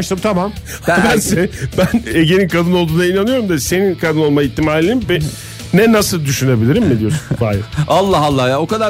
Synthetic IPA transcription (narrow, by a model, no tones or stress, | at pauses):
ʃt̪ɯmt̪ʰamam | hbænsebæneɟe̞ninkʰad̪ɯnolˠd̪uːnainanɯjo̞ɾumd̪ase̞ninkʰad̪ɯno̞lˠmaiçt̪ʰːimaːlʲiinimbɛ | nɛnasɯlˠd̪yʃyne̞bilʲiɾimmid̪ijosunb̪aːjaalˠːaɦalˠːahjaokad̪a